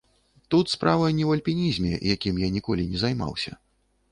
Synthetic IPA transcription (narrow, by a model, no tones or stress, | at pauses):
t̪ut̪spɾavɐjnʲɛwɐlʲpʲinʲizʲmʲɛ̰jakʲimjanʲikɔlʲinʲɛzajma̰wsʲɐ̰